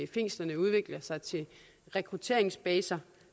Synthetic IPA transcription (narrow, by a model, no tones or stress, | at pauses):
ife̝ŋ̰sd̥ɐnəuð̞ˠʋe̝ɡ̥lɐsɑ̈ɪt͡sʰe̝l | ʁɛkʰʁut͡sʰe̝ɐ̰eŋsb̥ɛːsɐ